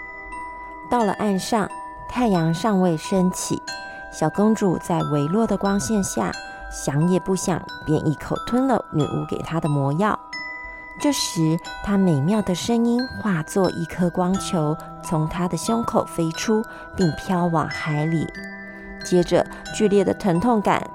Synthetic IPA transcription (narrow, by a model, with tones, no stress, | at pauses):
t̪ɑ˥˩ʊlə̰˩ʔa˥˧nʂɑ˥˧ŋ | t̪ʰa˥˩ɪjɑ˧˥ŋʂɑ˥˧ŋwe˥˩ɪʂə˥nt͡ɕʰḭ˨˩˦ | ɕjɑ˨˩ʊkɤ˥ŋʈ͡ʂṵ˨˩t͡sa˥˩ɪwe˧˥ɪlwɔ˥˩d̪ə˩kwɑ˥ŋɕjɛ˥˧nɕja̰˥˩ | ɕjɑ˧˥ŋjɛ˨˩pu˥˩ɕjɑ̰˨˩ŋ | pjɛ̰˧˥nʔḭ˧˩kʰo˨˩ʊt̪ʰwə˥nlə̰˨my̰˨˩ʔṵ˧˥kḛ˨˩ɪt̪ʰa˥d̪ə˨mwɔ˧˥jɑ˥˩ʊ | ʈ͡ʂɤ˥˩ʂɻ̩˧˥t̪ʰa˥me˨˩ɪmjɑ˥˩ʊd̪ə˩ʂə˥ŋi˥nxwa˥˧t͡swɔ˥˧ʔḭ˥˩kʰɤ˥kwɑ˥ŋt͡ɕʰjo˧˥ʊ | t͡sʰʊ˧˥ŋt̪ʰa˥d̪ə˨ɕjʊ˥ŋkʰo˨˩ʊfe˥ɪʈ͡ʂʰu˥ | pi˥˩ŋpʰjɑ˥ʊwɑ̰˨˩ŋxa˧˥ɪlḭ˨˩˦ | t͡ɕjɛ˥ʈ͡ʂə̰˧ | t͡ɕy˥˧ljɛ˥˩d̪ə˩t̪ʰə˧˥ŋt̪ʰʊ˥˩ŋka̰˨˦n